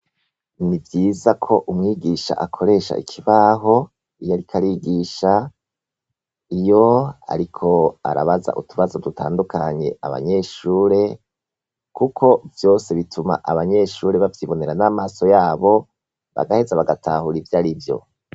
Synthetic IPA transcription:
nivjiːzakʰo̞ʔumŋiːɡiʃa̰ʔakʰo̞ɾe̞ːʃa̰ʔḭkʰiβaɦo̞ | ijaɾikʰaɾiːɡiːʃa | ijo̞a̰ɾikʰo̞a̰ɾaβaza̰ʔutʰuβazo̞dutʰa̰ːndukaɲe̞̰a̰βa̰ɲe̞ʃuːɾe̞ | kukʰo̞vjo̞ːse̞βitʰuma̰ʔaβaɲe̞ʃuːɾeβavjiːβo̞ne̞ɾanamaːso̞jaːβo̞ | βa̰ɡahezaβaɡatʰahuɾivjaːɾivjo̞̰

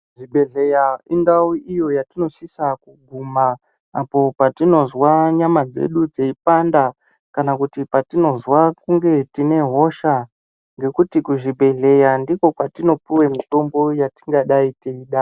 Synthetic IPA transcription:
ʐibʱe̞ɮe̞jaindawuijo̞jatino̞ʃisakuɡʱumaː | po̞patino̞zwaɲamad͡ze̞̰ɗud͡zeipanda | kanakutipatino̞zwakuŋɡe̞tine̞ɦo̞ʃa | ŋɡe̞kutikuʐibʱe̞ɮe̞jandiko̞kwatino̞piwe̞mito̞mbo̞jati̥ŋɡaɗaiteiɗa

